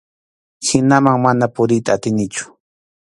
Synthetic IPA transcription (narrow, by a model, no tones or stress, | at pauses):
hɪnamaŋmanapʊɾɪjt̪aːt̪ɪnɪt͡ʃʊ̥